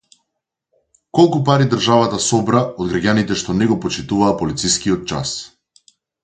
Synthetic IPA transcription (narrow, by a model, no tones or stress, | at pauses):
kɔlˠkupaɾid̪ərʒavat̪asɔbɾaɔd̪ɡɾaɡʲanit̪ɛʃt̪ɔnɛɡɔpɔt͡ʃit̪uvaːpɔlit̪siskiɔt̪̚t͡ʃa̰s